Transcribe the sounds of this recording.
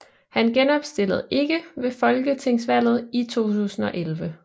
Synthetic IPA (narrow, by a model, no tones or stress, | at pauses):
hænɡ̥enɒ̽b̥sd̥e̝l̰əð̞̩ˠe̝ɡ̥əʋe̝fɒ̽lɡ̥ət͡sʰe̝ŋ̰sʋæl̰ð̩ˠit͡sʰo̝̰ːt͡sʰṵːsn̩ɒ̽ʔelʋə